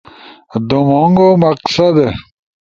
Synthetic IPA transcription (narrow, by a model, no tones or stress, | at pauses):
d̪omoŋɡomɐqsɐd̪e